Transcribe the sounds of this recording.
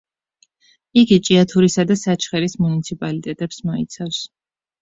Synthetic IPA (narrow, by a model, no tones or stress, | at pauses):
iɡit͡ʃʼiat̪ʰuɾisad̪asat͡ʃʰχɛɾismunit̪sʰipʼalit̪ʼɛt̪ʼɛpsmaḭt̪sʰafs